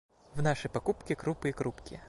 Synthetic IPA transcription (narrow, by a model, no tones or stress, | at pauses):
wnɑʃɐjpɐkupkʲikɾupɨjikɾupkʲɪ